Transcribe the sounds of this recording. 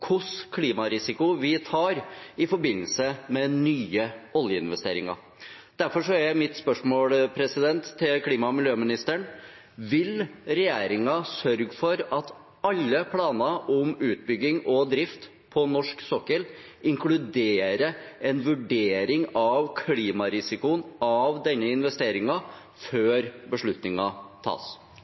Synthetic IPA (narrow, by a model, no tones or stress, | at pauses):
kʰʊskʰliːmɑɾɪsɪkʊʋɪt̪ʰɑːɾɪfɔɾbɪnːəlsəmɛnyːəɔljəɪnʋɛst̪ḛːɾɪ̰ŋɑ̰ | d̪̥æɾfɔʂɔæææmɪt̪spœʂmoːlpʰɾɛsɪd̪ɛnt̪ʰːɪlkʰliːmɑmɪljøːmɪnɪst̪əɳ | ʋɪlɾɛjeːɾɪŋɑsœɾɡfɔɾɑt̪ | ɑlːəpʰlɑːnɑʔɔmʉːt̪̚bʏɡːɪŋɔd̪ɾɪft̪ | pʰɔnɔʂksɔkːəl | ʔɪŋklʉd̪eːɾəɛnʋʉɖeːɾɪŋɑʋkʰliːmɑɾɪsɪkʊnɑʋd̪ɛnːəɪnʋɛst̪eːɾɪŋɑ | føːɾbəʂɭʉt̪nɪŋɑt̪ʰɑ̰ːs